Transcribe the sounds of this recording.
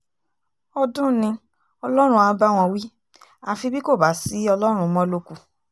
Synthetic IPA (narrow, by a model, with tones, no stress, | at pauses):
ɔ˧dũ˦nĩ˧ | ɔ˧lɔ˦ɾ̃ũ˧ã˧˦ba˦w̃ɔ̃˧wi˦ | a˧fi˧bi˦ko˦˨ba˨˦˨si˨˦ɔ˧lɔ˦ɾ̃ũ˧mɔ̃˦lo˦ku˧